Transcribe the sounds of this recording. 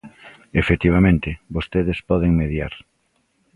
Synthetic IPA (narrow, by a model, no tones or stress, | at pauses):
efet̪iβ̞amẽnt̪ɪβost̪eðespɔðeŋmeðja̰ɾ